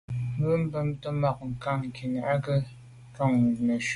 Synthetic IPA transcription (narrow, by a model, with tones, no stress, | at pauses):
mə˦m̩˦bə˦mtə˦ma˨k̚ŋ̩˨ka˦˨ŋ˨kʰi˨na˨a˦kə˦ | kɔ˦˨ŋ˨nə˨ʃ